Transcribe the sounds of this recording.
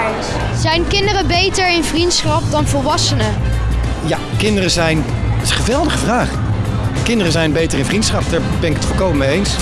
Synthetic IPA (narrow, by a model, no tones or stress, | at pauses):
z̥ɛjnkɪndərəbejtəɹɪnvrintsχɑp̚dɑnvɔlˠʋɑsənə | ja | kɪndərəzɛjntɪsənχəʋɛlˠdəχəvraːχ | kɪndərəzɛjnbejtərɪ̃nvrintsχɑp̚daːɹbɛnɪkətfɔlˠkowməmejejns